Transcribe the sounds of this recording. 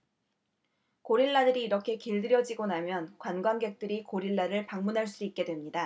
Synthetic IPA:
koɾiɭːadɯɾiːɾʌkʰe̞kiɭdɯɾjʌd͡ʑiɡonamjʌnkwanɡwanɡe̞k̚t͈ɯɾikoɾiɭːaɾɯɭpaŋmunɦaɭs͈uit̚k͈e̞dwe̞mɲida

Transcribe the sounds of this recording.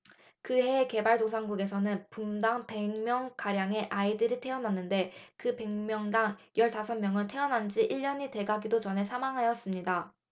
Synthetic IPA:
kɯɦe̞ke̞baɭdosʰaŋɡuɡe̞sʰʌnɯnpumdaŋpe̞ŋmjʌŋkaɾjaŋe̞ʔaidɯɾitʰe̞ʌnanːɯnde̞kɯpe̞ŋmjʌŋdaŋjʌɭsasʰʌmːjʌŋɯntʰe̞ʌnand͡ʑiʔiɭʎːʌɲite̞ɡaɡidot͡ɕʌnɦe̞sʰamaŋɦajʌs͈ɯmɲida

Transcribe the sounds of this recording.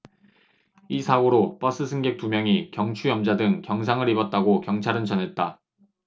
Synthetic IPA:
isʰaɡoɾop͈ʌs͈ɯsʰɯŋɡe̞k̚t͈umjʌŋikjʌŋt͡ɕʰujʌmd͡ʑadɯŋkjʌŋsʰaŋɯɾibʌt̚t͈aɡokjʌŋt͡ɕʰaɾɯnt͡ɕʌnɦe̞t̚t͈a

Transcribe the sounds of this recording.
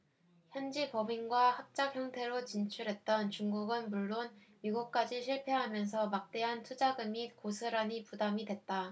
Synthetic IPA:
çjʌnd͡ʑipʌbinɡwahap̚t͡ɕ͈akçjʌŋtʰe̞ɾot͡ɕint͡ɕʰuɾɦe̞t̚t͈ʌnt͡ɕuŋɡuɡɯnmuɭːonmiɡuk̚k͈ad͡ʑiɕʰiɭpʰeɦamjʌns̬ʰʌmak̚t͈e̞ɦantʰud͡ʑaɡɯmikosʰɯɾanipudamidwe̞t̚t͈a

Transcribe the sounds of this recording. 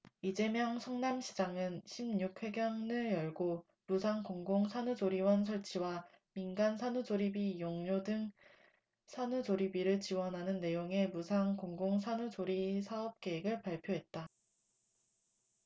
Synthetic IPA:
id͡ʑe̞mjʌŋsʰʌŋnamɕʰid͡ʑaŋɯnɕʰimɲuk̚ʰɸwe̞ɡjʌŋnɯɭjʌɭɡo | musʰaŋkoŋɡoŋsʰanud͡ʑoɾiwʌns̬ʰʌɭt͡ɕʰiwa | minɡansʰanud͡ʑoɾibijoŋɲodɯŋ | sʰanud͡ʑoɾibiɾɯɭt͡ɕiwʌnɦanɯnːe̞joŋe̞musʰaŋkoŋɡoŋsʰanud͡ʑoɾisʰaʌp̚k͈e̞eɡɯɭpaɭpʰjoɦe̞t̚t͈a

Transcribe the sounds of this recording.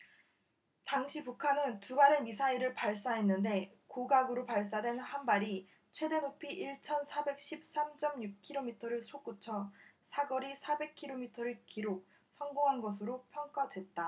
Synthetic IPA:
taŋɕʰipukʰanɯntubaɾe̞misʰaiɾɯɭpaɭs͈aɦe̞nːɯnde̞ | koɡaɡɯɾopaɭs̬͈adwe̞nhanbaɾi | t͡ɕʰwe̞de̞nopʰiʔiɭt͡ɕʰʌnsʰabe̞k̚ɕ͈ʰip̚s͈amd͡ʑ͈ʌmjuk̚kʰiɾomitʰʌɾɯɭsʰok͈ut͡ɕʰʌsʰaɡʌɾisʰabe̞kʰiɾomitʰʌɾɯɭkiɾok̚ | sʰʌŋɡoŋɦanɡʌs̬ʰɯɾopʰjʌŋk͈adwe̞t̚t͈a

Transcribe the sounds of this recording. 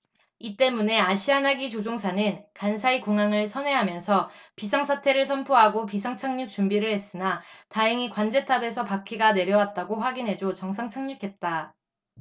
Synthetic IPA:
it͈e̞mune̞aɕʰianaɡit͡ɕod͡ʑoŋsʰanɯnkansʰaikoŋaŋɯɭsʰʌnwe̞ɦamjʌnsʰʌpisʰaŋsʰatʰe̞ɾɯɭs̬ʰʌmpʰoɦaɡopisʰaŋt͡ɕʰaŋɲuk̚t͡ɕ͈umbiɾɯɭhe̞s͈ɯnataɯŋikwand͡ʑe̞tʰabe̞sʰʌpakʰiɡane̞ɾjʌwat̚t͈aɡoɸwaɡinɦe̞d͡ʑot͡ɕʌŋsʰaŋt͡ɕʰaŋɲukʰe̞t̚t͈a

